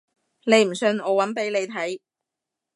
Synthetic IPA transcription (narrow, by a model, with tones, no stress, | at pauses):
ne˨˧jm̩˨˩sɵ˧nɔː˨˧wɐ˨˥npe˨˥jle˨˧jt̪ʰɐ˨˥j